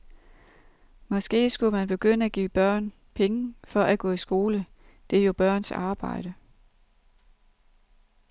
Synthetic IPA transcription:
mɒ̽sɡ̥e̝̰ːsɡ̥umænb̥e̝ɡ̥øn̰əæɡ̥ḭːb̥ɶɐ̰n | pʰeŋəfɒ̽ʔæɡ̥ɔ̰̽ːisɡ̥o̝ːlə | d̥e̝ɐjo̝b̥ɶɐ̰nsɑ̈ːb̥ɑ̈ɪ̰ɾ̥ə

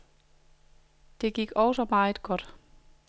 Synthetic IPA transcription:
d̥e̝ɡ̥iɡ̥ɒʊsɒ̽mɑ̈ːð̩ˠɡ̥ɒ̽d̥

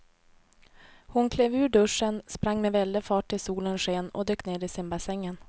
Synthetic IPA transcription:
hʊnkʰleːvʉ̟ːɖɵʂənspɾaŋːmɛvɛld̪əfɑːʈʰːɪlsuːlənʂeːnɔ̰d̪øːkneːd̪ɪsɪmbasɛŋːən

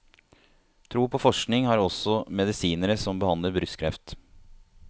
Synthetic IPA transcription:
t̪ʰɾuːpʰɔfɔʂknɪŋhɑːɾɔsɔmɛd̪ɪsiːnəɾəsɔmbəhɑnd̪ləɾbɾʏskʰɾɛft̪

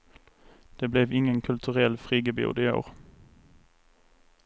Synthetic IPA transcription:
d̪̥eːblɛʋɪŋənkʰʉlt̪ʰʉʁɛlfʁiːɡəbɪʊ̰ːd̪ɪo̰ːʁ

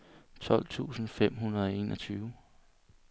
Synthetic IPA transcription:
t͡sʰɒ̽l̰t͡sʰṵːsn̩fem̰ɦunɐð̞ˠɒ̽e̝ːnʔɒ̽t͡sʰyːʊ

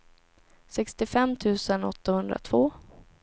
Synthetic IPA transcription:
sɛkst̪ɪfɛmːt̪ʰʉ̟ːsənɔ̰t̪ːahɵnd̪ɾa̰t̪ʰv̥oː

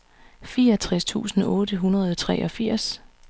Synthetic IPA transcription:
fiːɐɒt͡sʰʁɛst͡sʰṵːsn̩ɔ̽ːɾəɦunɐð̞ˠɒt͡sʰʁɛ̰ːʔɒ̽fiɐ̰s

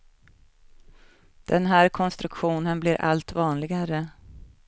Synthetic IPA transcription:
d̪̥ɛnɦæːɾkʰɔnst̪ɾɵkɧuːnənblɪɾʔa̰lt̪vɑːnlɪɡaɾə

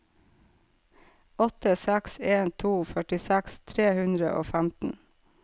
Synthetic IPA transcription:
ɔt̪əsækseːnt̪ʰuːfœʈɪsækst̪ʰɾeːhʉnd̪ɾə̰ʔo̰ːfæmt̪n̩

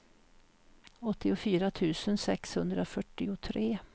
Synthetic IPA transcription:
ɔt̪ːɪʊfyːɾat̪ʰʉ̟ːsənsɛkshɵnd̪ɾafœʈːɪʊt̪ʰɾeː

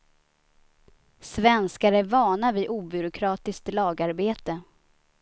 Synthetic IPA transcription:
svɛnskaɾəvɑːɳavɪʔuːbʏɾʊkʰɾɑːt̪ɪsk̚t̪lɑːɡaɾbeːt̪ə

